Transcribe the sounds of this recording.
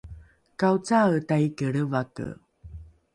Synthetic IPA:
kawt͡satajkəɭəvakə̰

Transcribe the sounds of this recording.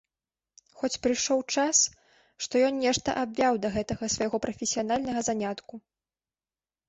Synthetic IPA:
xɔt͡sʲpɾɨjʂɔwt͡ʂas | ʂt̪ɔjɔnnʲɛʂt̪ɐ̰ʔabʲvʲawd̪ɐɣɛt̪ɐɣɐsvɐjɣɔpɾɐfʲesʲijanalʲnɐɣɐzanʲat̪ku

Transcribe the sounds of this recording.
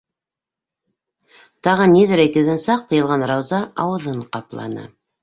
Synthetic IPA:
t̪ɑʁɤniðæɾæjkɘ̆ðænsɑq̚t̪ʰɤ̆jɤ̆lˠʁɑnrɑwzɑɑwɤ̆ðɤɴqɑplˠɑ̰nɤ̰

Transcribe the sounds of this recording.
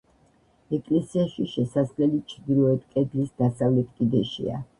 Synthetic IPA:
ɛkʼlɛsiaʃiʃɛsaslɛlit͡ʃʰɾd̪ilɔɛt̪ʰkʼɛd̪lisd̪asavlɛt̪ʰkʼid̪ɛʃḭa̰

